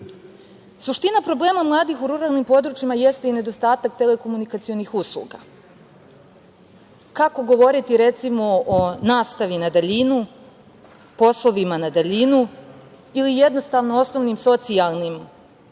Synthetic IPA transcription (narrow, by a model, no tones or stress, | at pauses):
suʃt̪inapɾo̞ble̞ːmamlˠaːd̪ixuɾuɾaːlˠnimpo̞d̪ɾut͡ʃimaje̞st̪eine̞d̪o̞st̪aːt̪ak̚t̪e̞le̞ko̞munikat̪sio̞nixuslˠṵɡa̰ | kako̞ɡo̞ʋo̞ɾit̪iɾe̞t̪simo̞onaːst̪aʋinad̪aʎinu | po̞slˠo̞ʋimanad̪aʎinu | ilijed̪no̞st̪aːʋno̞o̞sno̞ʋnimso̞t̪sijalˠnim